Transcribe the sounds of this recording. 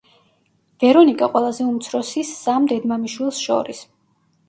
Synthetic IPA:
v̥ɛɾɔnikʼaqʼwɛlˠazɛumt̪sʰɾɔsisːamd̪ɛd̪mamiʃwilˠsʃɔ̰ɾis

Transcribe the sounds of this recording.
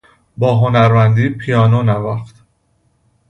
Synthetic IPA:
bɒːɦonæɾmænd̪iːpʰijɒːnonævæxt̪

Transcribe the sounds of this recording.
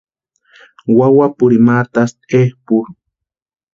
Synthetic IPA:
wawapʊɾimat̪ast̪ehpuɾ

